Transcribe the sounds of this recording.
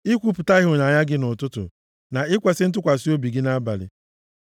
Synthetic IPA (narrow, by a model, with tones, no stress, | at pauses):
i˦kʷu˦pʊ˨ta˦ɪ˦ɦʊ˨na˨ɲa˦ɡɪ˦nʊ˨tʊ˦tʊ̰˨ | na˨ɪ˦kʷa˨sɪ˦n̩˦t̬ʊ˦kʷa˨si˦o˦bi˨ɡɪ˦na˦ba̰˨lɪ̰˨